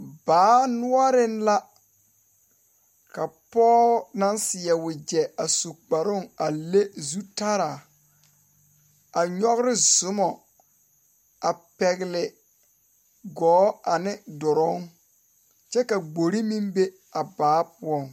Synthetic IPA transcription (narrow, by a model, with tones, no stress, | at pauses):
baː˨˦nʊ˦ɔ˦ɾɪ˦nla˦ | ka˨pɔː˦na˦nsɪ˨ɛ˨wʊ˨d͡ʒɛ˨a˨so˨k͡pa˨ɾʊ˦˨ŋa˨le˦zu˦ta˦ɾa˨ | a˨ɲɔ˦ɣɾɪ˦zʊ˦mɔ˨ | a˨pɛ˨ɣɪ˨lɪ˨ | ɡɔː˨˦a˨nɪ˦dɔ˨ɾɔ˦ŋ | t͡ʃɛ˦ka˨ɡ͡bo˨ɾi˦mi˦mbe˦ | a˨baː˨˦pʊ˦ɔ˦˨ŋ